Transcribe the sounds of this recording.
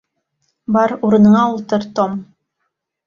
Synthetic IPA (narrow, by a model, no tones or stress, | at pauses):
bɑɾuɾɤ̆nɤ̆ɴɑulˠt̪ɤɾt̪om